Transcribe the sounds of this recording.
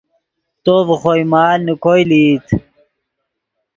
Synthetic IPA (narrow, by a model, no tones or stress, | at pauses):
t̪ovχojmaːlnikojliːt̪ʰ